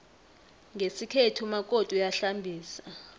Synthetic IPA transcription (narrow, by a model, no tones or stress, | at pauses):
ŋɡʱesikʰetʰumakʼotʼujaɬambʱiːsa